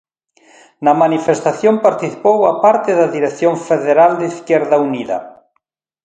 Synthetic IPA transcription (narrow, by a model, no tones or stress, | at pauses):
nɐmanifest̪aθjompaɾt̪iθi̥powapaɾt̪ɪðaðiɾeθjoɱfeðeɾald̪eiθkɛɾðauniðɐ̰